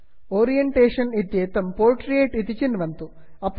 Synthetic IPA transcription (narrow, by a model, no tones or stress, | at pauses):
oːɾijeɳʈeːʂɐnit̪jeːt̪ːɐmpoːʈrijeːʈit̪it͡ɕːinʋɐnt̪u | ɐpː